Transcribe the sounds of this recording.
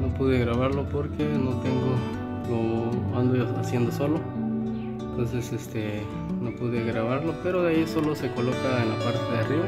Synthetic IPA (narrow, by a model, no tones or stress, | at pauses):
no̞puðeɣɾaβaɾlo̞poɾke̞no̞t̪eŋɡo | loand̪ooasje̞nd̪oso̞lo | ent̪o̞nsesest̪e | no̞puðeɣɾaβaɾlo̞pe̞ɾo̞ðeaiso̞lo̞se̞ko̞lo̞kaenlapaɾt̪e̞ðeariβa